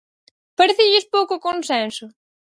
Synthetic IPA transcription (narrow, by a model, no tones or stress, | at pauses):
paɾeθɪʎɪspowkʊkonsɛnsʊ